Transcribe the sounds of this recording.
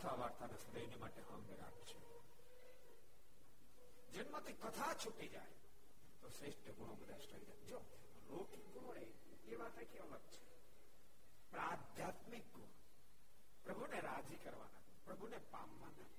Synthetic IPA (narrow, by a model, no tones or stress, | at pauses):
ət̪ʰaʋaɾt̪anesəd̪əjnimaːʈeɦəmbeɾa̰bt͡ʃʰe | d͡ʒənmãt̪ʰikət̪ʰat͡ʃʰuʈid͡ʒa̰j | t̪osɾeʃʈəɡʱoɽ̃obəd̪ʱaʃʈəʋid͡ʒajd͡ʒo | ɾoʈiɡoɭe | eʋat̪ekeʋəɦət̪̚t͡ʃʰe̥ | pɾad̪ʱjat̪mik̚ɡoɽ | pɾəbʱuneɾad͡ʒikəɾʋa̰na | pɾəbʱunepa̰mʋa̰na̰